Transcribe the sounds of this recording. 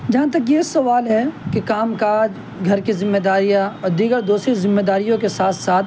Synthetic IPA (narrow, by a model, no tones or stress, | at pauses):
d͡ʒɐɦãt̪̬ɐkjesɐʋaːlɦɛkekaːmkaːd͡ʒ | ɡʱɐɾkizɪ̃mːeːd̪aːɾijaɔːɾd̪iːɡəɾd̪uːsɾizɪ̃mːeːd̪aːɾijõkesaːt̪ʰsaːt̪ʰ